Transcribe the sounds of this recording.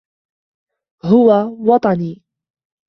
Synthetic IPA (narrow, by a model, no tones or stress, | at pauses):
ɦʊwawɑt̪ˤɑniː